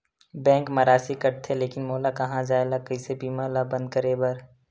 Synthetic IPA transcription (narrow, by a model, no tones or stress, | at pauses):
bɛ̃ːŋkmɐɾaːsikɐɾt̪ʰːeleːkɪnmoːlakɐɦãd͡ʒaːelakəɪsebiːmaːlabɐ̃nd̪̚kəɾebɐɾ